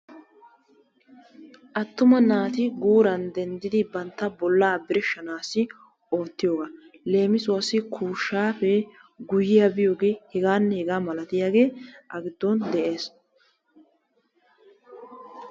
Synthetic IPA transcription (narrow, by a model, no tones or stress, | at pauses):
ʔɐt̪ːʊmɐnaːt̪ɪɡuːɾɐnd̪ɛnd̪ɪd̪ɪbɐnt̪ːɐbɔlːaːbɪɾɪʃːɐnaːsɪ | oːt̪ːɪjoːɡa | le̞ːmɪsʊwɐsɪkʰuːʃːaːfɛ | ɡʊjɪjɐbɪjo̞ːɡeːhɛɡaːnːɛhɛɡaːmɐlɐt̪ɪjaːɡe̞ːʔɐɡɪd̪ːɔnd̪ɛʔe̞ːs